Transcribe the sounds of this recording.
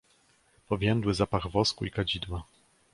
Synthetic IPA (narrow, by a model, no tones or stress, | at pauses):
pɔvʲjɛnd̪wɘzapaɣvɔskuikad͡ʑid̪wa